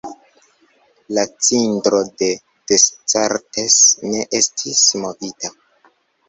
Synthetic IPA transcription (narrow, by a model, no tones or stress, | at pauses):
lat͡sindɾo̞de̞ | d̥est͡saɾtesne̞ʔestʰismo̞vita